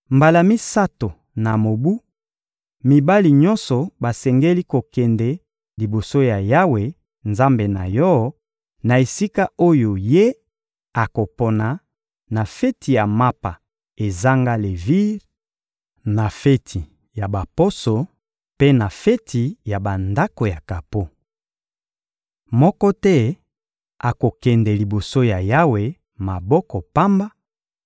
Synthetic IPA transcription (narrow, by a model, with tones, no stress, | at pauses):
mba˨la˨mi˦sa˦to˨ | na˨mo˨bu˦ | mi˨ba˦li˨ɲɔ̃˦nsɔ˨ba˨sɛ˨ŋɡe˦li˦ko˨kɛ˨ndɛ˦ | li˨bo˨so˦ja˨ja˦we˨ | nza˦mbe˨na̰˨jɔ˦ | na˨e˨si˦ka˦o˦jo˨je˦ | a˨ko˨po˨na˨ | na˨fɛ˦ti˨ja˨ma˦pa˨ | e˨za˦ŋɡa˦le˨vi˦ʁ | na˨fe˦tʰi˨ | ja˨ba˨po˦so˨ | pe˦na˨fɛ˦tʰi˨ja˨ba˨nda˦ko˨ja˨ka˨po˦ | mɔ˦kɔ˦tɛ˦ | a˨ko˨kɛ˨ndɛ˨li˨bo˨so˦ja˨ja˦we˨ | ma˨bɔ˦kɔ˨pa˦mba˦